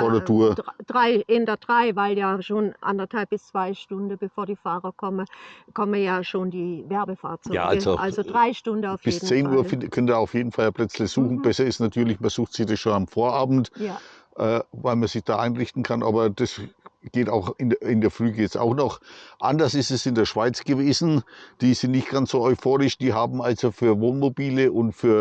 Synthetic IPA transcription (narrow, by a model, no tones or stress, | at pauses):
foɐdeːɐtʰuːɐd̥ʁaɪʔɪndɐd̥ʁaɪvaɪljaːʃoːnʔa̰ndɐthalp̚bɪst͡sv̥aɪʃtʊndəb̥əfoːɐdiːfaːʁɐkʰɔməkʰɔməjaːʃoːndiːvɛɐbəfa̰ːɐt͡sɔja̰ɡːɡʔalzoʔalzodʁaɪʃtʊndəaʊfjb̥ɪesːdn̩t͡seːnʔuːɐfɪnkʰœnəndːɐaʊfjeːdn̩faljaːpʰl̥ɛt͡slɪçz̥uːxn̩b̥ɛsɐɪstnatʰyːɐlɪçmɐz̥uːxtz̥ɪçd̥asʃoːnamfoːɐʔaːbm̩tː | ʔɛːvaɪlmɐz̥ɪçd̥aːʔaɪnʁɪçtn̩kʰanʔa̰ːbɐd̥asɡ̥eːtaʊxɪnɪndeːɐflyːɡəjɛt͡sa̰ʊxnɔχʔa̰ndɐsɪstɛsɪndeːɐʃv̥aɪt͡sɡ̥əveːzn̩d̥iːzɪntnɪçtɡ̥ansz̥oːɔʏfoːʁɪʃd̥iːɦaːbm̩alzofyːɐvoːnmobiːləʔʊntfyːɐ